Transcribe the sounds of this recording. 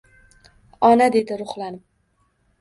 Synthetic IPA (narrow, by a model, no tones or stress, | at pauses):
ɒnad̪e̞d̪ɪɾʊχlˠanɪm